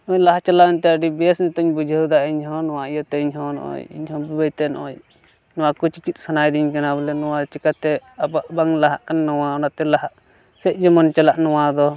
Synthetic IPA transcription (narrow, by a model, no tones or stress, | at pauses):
ɔːɲlaɦat͡ʃalaɛɲt̪ɛaɖibɛsnit̪ɔɲbud͡ʒʱɛud̪aɛɲɦɔ̃nɔwaijɔt̪ɛiɲɦɔ̃nɔ̰ʔɔ̰ɲḭɲɦɔ̃bibajt̪ɛnɔ̰ɔ̰ɲ | nɔwakut͡ʃikit̪̚ˀsanajd̪iɲkanabɔlɛnɔwat͡ʃikat̪ɛabaʔbaŋlaɦaʔkanːɔwaɔnat̪ɛlaɦaʔ | sɛc̚ˀd͡ʒɔmɔnt͡ʃalaʔnɔwad̪ɔ